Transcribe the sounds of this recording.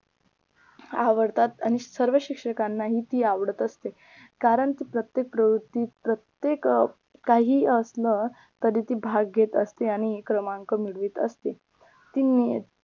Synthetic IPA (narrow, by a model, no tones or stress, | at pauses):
aʋəɾt̪at̪aɽ̃isəɾʋəɕikʂəkanːaɦiːt̪iːaʋɽət̪əst̪e | kaɾəɳt̪iːpɾət̪jek̚pɾəʋɾut̪ːiːpɾət̪jek | kaɦiːəslə | t̪əɾiːt̪iːbʱaɡːet̪ə̰st̪eaɽ̃ikɾəmaŋkəmiɽʋiːt̪ə̰st̪e | t̪inːi